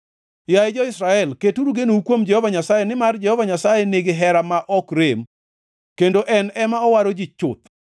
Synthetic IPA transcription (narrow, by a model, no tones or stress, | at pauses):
jaed͡ʒɔɪsɾaɛlketuɾuɡenoukwomd͡ʒɛhɔvaɲasajenɪmard͡ʒɛhɔvaɲasajeneɡɪɦɛɾamaʔɔkɾem | kendoʔɛnɛmaɔwaɾod͡ʒɪt͡ʃʊt̪̚